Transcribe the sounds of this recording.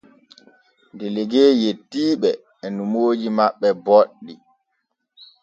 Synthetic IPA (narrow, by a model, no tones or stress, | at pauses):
ndɛleɡeːjetːiːɓɛː | numoːd͡ʒimaɓːɛbɔɗːi